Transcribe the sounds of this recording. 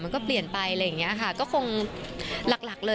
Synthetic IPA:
ma˧nkɔː˥˩pli˨˩ənpa˧jla˧jːa˨˩ŋːi˦˥ʔɐkʰa˥˩kɔː˥˩kʰo˧ŋ | la˨˩k̚la˨˩k̚lɤː˧

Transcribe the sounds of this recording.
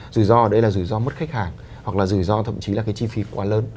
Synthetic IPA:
zɨ˧˩jzɔ˧ʔə˧˩ɗə˧jlaː˨˩zɨ˧˩jzɔ˧mə˦˥t̚xa˦˥jk̚haː˨˩ŋ | hwa˨˩k̚laː˨˩zɨ˧˩jzɔ˧t̪ʰə̰˧˨mt͡ɕi˨˦laː˨˩kaː˨˦jt͡ɕi˧fi˨˦kwaː˨˦ləː˧n

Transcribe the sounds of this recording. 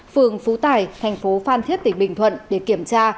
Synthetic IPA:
fɨ˨˩əŋfu˨˦t̪aː˧˩jt̪ʰɛ˨˩jŋ̟fo˨˦faː˧nt̪ʰi˦˥ət̚t̪ï˧˩ŋɓï˨˩ŋwə̰˧˨nɗe˧˩ki˧˩əmt͡ɕaː˧

